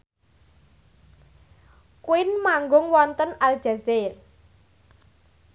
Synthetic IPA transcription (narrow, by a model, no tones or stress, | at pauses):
kuɪnmaŋɡʊŋwɔnt̪ənal̥ʒ̥a̤zer